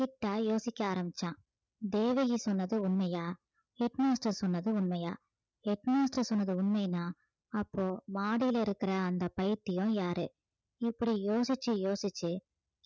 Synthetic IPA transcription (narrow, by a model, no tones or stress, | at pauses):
kɪʈːaːjoːsɪkʲːɐaːɾɐmbɪt͡ʃːãː | d̪eːʋɐjisɔnːɐðɯʊɳmɐjaː | ɛʈmaːsʈɐsɔnːɐðɯʊɳmɐjaː | ɛʈnaːsʈɐsɔnːɐðɯʊɳmɐjnːaː | ɐpːoːmaːɽɪjɪlɐɪɾɯkːɪɾɐːnd̪ɐpɐjɪɾt̪ːɪjõjaːɾɯ̰ | ɪpːɐɽijoːsɪt͡ʃːɯjoːsɪt͡ʃːɯ